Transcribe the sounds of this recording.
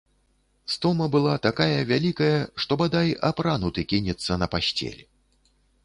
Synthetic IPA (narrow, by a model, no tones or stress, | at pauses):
st̪ɔmɐbɨlˠat̪akajɐvʲalʲikɐjɐʂt̪ɔbad̪aja̰pɾanut̪ɨkʲinʲɛt̪sːɐnɐpasʲt͡sʲɛ̰lʲɛ